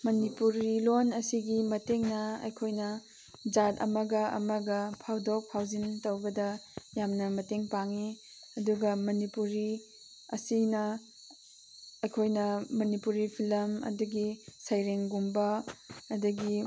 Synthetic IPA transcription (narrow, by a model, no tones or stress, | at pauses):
mɐnipuɾilonɐsiɡimɐteŋnɐɐ̰jkʰojnɐ | d͡ʒatɐ̰mɐɡɐʔɐ̰mɐɡɐpʰawdok̚pʰawzintɐwbɐdɐjamnɐmɐteŋpaŋi | ɐduɡɐmɐnipuɾi | ɐ̰sinɐ | ɐjkʰojnɐmɐnipuɾipʰilɐmɐ̰duɡisajɾeŋɡumbɐːdɐɡi